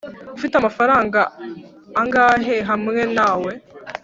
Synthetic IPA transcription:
ufitamafaɾaːŋɡaː | ŋɡaːɦe̞ɦamŋe̞naːwe̞

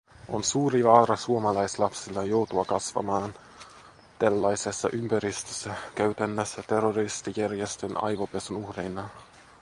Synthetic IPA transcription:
ʔo̞nsuːɾiʋɑːɾɑsuomɑlɑjslɑpsilːɑjo̞wt̪uɑkɑsʋɑ̰mɑːn | t̪ælːɑjsesːɑ̰ʔympæɾist̪øsːækæyt̪ænːøsːæt̪erːorist̪ijærjest̪ønɑ̰jʋo̞pe̞sunuhɾejnɑ

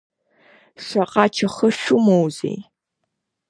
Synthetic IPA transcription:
ʂɐqɑːt͡ʃʰɐχɐɕumowzḛːj

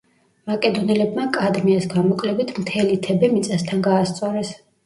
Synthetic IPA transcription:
makʼɛd̪ɔnɛlɛbmakʼad̪miasɡamɔkʼlɛbit̪ʰmt̪ʰɛlit̪ʰɛbɛmit̪sʼast̪ʰanɡaːst̪sʼɔɾɛs

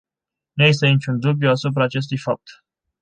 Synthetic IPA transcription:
nujes̬t̪e̞nit͡ʃʲund̪ublʲjuasup̬ɾaːt͡ʃe̞s̬t̪ujfap̚t̪

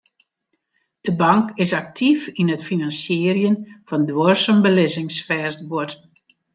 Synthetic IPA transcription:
d̥əbɑŋkɪsak̚tʰifinətfinɑnsjɪːərjənfɑndʋorsɔmbəlɪzɪŋsfɛːstbot

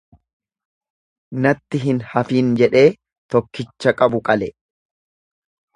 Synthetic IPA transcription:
nɐt̪ːɪɦɪnhɐfiːnd͡ʒɛᶑe̞ː | t̪ɔkːɪt͡ʃːɐkʼɐbʊkʼɐlɛ

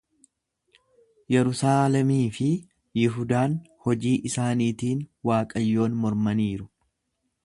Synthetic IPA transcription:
jɛɾʊsaːlɛmiːfɪ | jɪɦʊd̪aːn | hɔd͡ʒiːʔɪsaːniːt̪iːnwaːkʼɐjːo̞ːnmɔɾmɐniːɾʊ

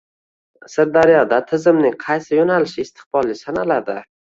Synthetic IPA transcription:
sɪɾd̪aɾjɒd̪at̪ʰɪzɪmnɪŋqʰɑjsɪjonalɪʃɪːst̪ʰɪ̥qbɒlˠɪsanalad̪ɪ

